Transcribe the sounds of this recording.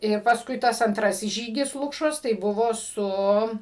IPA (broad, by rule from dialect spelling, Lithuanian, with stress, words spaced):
ˈɪr pɐsˈkʊɪ ˈtɐs ɐnˈtrɑːsʲɪs ˈʒʲiːɡʲɪs ˈlˠʊkʃoːs tɐɪ ˈbʊʋoː ˈsʊ